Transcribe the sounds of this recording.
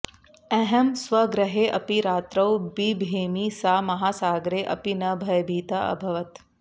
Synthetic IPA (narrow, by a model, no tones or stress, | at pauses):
ɛɦɐmsʋɐɡɾɐɦeːʔɐpiɾaːt̪ɾɐwbibʱeːmisaːmɐɦaːsaːɡɾeːʔɐ̰pinɐbʱɐjɐbʱiːt̪ɐʔɐ̰bʱɐʋɐt̪